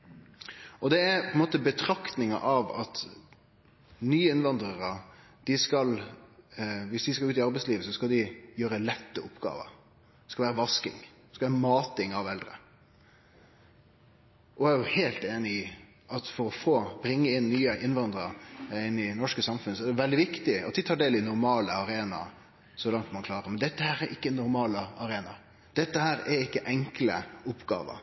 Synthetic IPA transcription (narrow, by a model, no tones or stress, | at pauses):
ʔɔd̪ɛæɾpʰɔɛnmoːt̪əbət̪ʰɾɑkt̪nɪŋɑ̰ʔɑʋɑ̰t̪ | nyːəɪnʋɑnd̪ɾəɾə | d̪̥ɪskɑl | ʋɪsd̪ɪskɑʉːt̪ɪɑɾbɛɪsliːʋəsɔskɑld̪ɪjøːɾəlɛt̪ːəʊpːɡɑ̰ːʋə̰̥ | skɑlʋæːɾəʋɑskɪ̰ŋ | ɛskɑlʋæːɾəmɑːt̪ɪŋɑʋɛld̪ɾə̰ | ʔɔæɾjʊheːlt̪eːnɪɪ | ɑt̪fɔɾɔfoːb̥ɾɪŋːəɪnːyːəʔɪnʋɑnd̪ɾəɪnːɪnɔʂkəsɑmfʉnəsɔɛd̪ɛʋɛld̪ɪʋɪkt̪ɪɑ̰t̪̚d̪ɪt̪ʰɑːɖeːlɪnʊɾmɑːləɑɾeːnɑ̰ | sɔlɑŋt̪mɑnkʰlɑːɾəmɛnd̪ɛt̪ːəhæːɾɛɾʔɪkːənʊɾmɑːləɑɾeːnɑ | d̪̥ɛt̪ːəhæːɾɛɾɪkːəʔɛŋklə̰ʊpːɡɑ̰ːʋə̰